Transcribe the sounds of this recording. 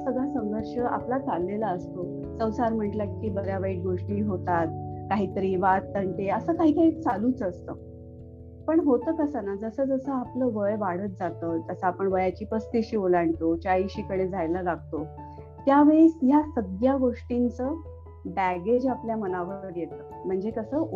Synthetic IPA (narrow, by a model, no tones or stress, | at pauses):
səɡʱɭasəŋɡəɾʂəʔa̰plat͡salːelaəst̪o | sə̃wsaɾm̤əɳʈlakkiːbəɾjaʋəiʈ̚ɡoʂʈiːɦot̪at̪̚kaɦiːt̪əɾiːʋat̪ːəɳʈeəsəːkaɦiːkaɦiːt͡saluːt͡səst̪ə̰ː | pəɳɦot̪əːkəsanad͡zəsəːd͡zəsəapləːʋəjʋaɽət̪̚d͡zat̪ət̪əsaːpəɳʋəjat͡ɕiːpəst̪iɕiːolaɳt̪ot͡ɕaiɕiːkəɽed͡zʱajləlaɡ̚ʱt̪o | t̪jaʋeɭesjasəɡ̪jaɡoʂʈint͡səː | bæɡed͡ʑapljamənaʋəɾʋəɾjet̪ə | m̤əɳd͡zekəsəː